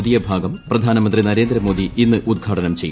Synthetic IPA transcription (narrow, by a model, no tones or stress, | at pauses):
d̪ijɐbʱaːɡɐmprɐd̪ʱaːnɐmɐnd̪rinɐɾe̞ːnd̪ɾɐmoːd̪iinːɨʔud̪̚ɡʱaːʈɐnɐmt͡ɕe̞j